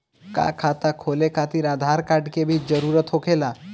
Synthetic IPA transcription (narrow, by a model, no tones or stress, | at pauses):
ka̰kʰat̪akʰolekʰat̪iɾaːd̪ʱaɾkaɾɖkebʱid͡ʒəɾuɾət̪ɦokʰela